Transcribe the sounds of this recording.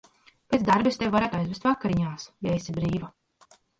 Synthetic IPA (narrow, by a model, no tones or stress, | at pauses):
pʲet̪sd̪aɾbist̪ewvaɾaːt̪ajzvɛst̪vakːaɾiɲaːsjaesʲibɾiːva